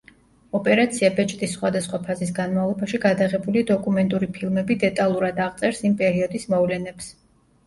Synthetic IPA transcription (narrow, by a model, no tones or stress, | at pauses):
ɔpʼɛɾat̪sʰiabɛt͡ʃʼt̪ʼisːχwad̪asχwapʰazisɡanmavlˠɔbaʃiɡad̪aʁɛbulid̪ɔkʼumɛnt̪ʼuɾipʰilˠmɛbid̪ɛt̪ʼalˠuɾad̪aʁt̪sʼɛɾsimpʼɛɾiɔd̪ismɔvlɛnɛps